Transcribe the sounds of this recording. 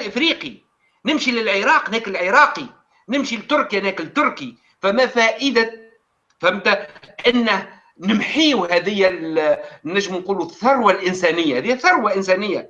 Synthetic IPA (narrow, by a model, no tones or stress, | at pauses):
lʔɪfɾiːqi | nɪmʃilɪlʕɪɾˤɑːqnɛːkɪlʕɪɾɑːqi | nɪmʃilɪt̪ːʊɾˤkænɛːkɪlt̪ːʊɾˤki | fæmæfæːʔəd̪a | famt̪aʔɪnːæh | nɪmħiːuɦæðɪjːæ | næʒːəmnquːluθːɑɾˤwalʔɪnsænɪjːahɛðɪːæθːɑɾˤwaʔɪnsæːnɪjːa